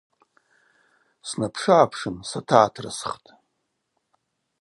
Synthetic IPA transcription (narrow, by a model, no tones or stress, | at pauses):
snapʰʂaːpʰʂɨnsatʰaːtʰra̰sχtʼ